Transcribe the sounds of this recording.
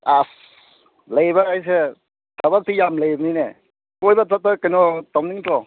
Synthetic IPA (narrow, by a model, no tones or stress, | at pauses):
as | lajbaɾajs̬e | tʰabak̚tijamlajbnine | kojbatat̚tːakajnɔtawniŋtɔ